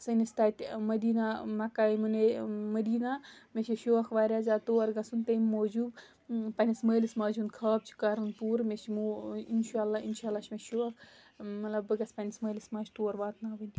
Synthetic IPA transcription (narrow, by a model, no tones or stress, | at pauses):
sɐnist̪aːt̪ʲmɐd̪iːnamɐkaːimunemɐd̪iːnameʃeʃoːxʋaːɾʲaːzaːt̪oːɐɾɡɐsunt̪ɐmmoːd͡ʒuːb | pɐnʲisməːlismaːd͡ʒunkʰaːb̚t͡ʃʰi̥kaːɾunpuːɾmeʃmoinʃaːlːaːinʃaːlːaːt͡ʃmeʃoːɐx | mɐlɐbːɨɡɐspɐnʲisməːlismaːt͡ʃt̪oːɐɾbaːt̪naːʋɨnʲ